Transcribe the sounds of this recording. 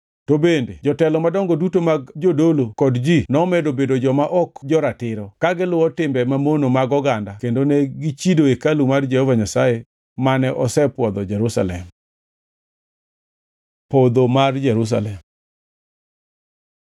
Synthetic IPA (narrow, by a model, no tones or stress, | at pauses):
tobended͡ʒɔtɛlɔmadɔŋɡodutomaɡd͡ʒodolokɔdd͡ʒinɔmɛdobedod͡ʒɔmaʔɔkd͡ʒɔɾatɪɾɔkaɡɪlʊɔtɪmbɛmamonomaɡɔɡandakendoneɡit͡ʃidoekalumard͡ʒɛhɔvaɲasaje | manɛʔɔsɛpwɔd̪ɔd͡ʒɛɾusa̰lɛm | pod̪omard͡ʒɛɾus̬a̰lɛm